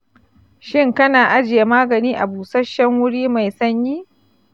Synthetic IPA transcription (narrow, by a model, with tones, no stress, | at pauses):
ʃɪ˦ŋkɐ˦naː˨ʔa˦d͡ʒɪ˨je˨maː˦ɡɐ˨niː˦ʔa̰˨buː˨sɐ˦ʃːɐ˦ŋwʊ˦ɽiː˦ma˨jsɐ˦ɲji˦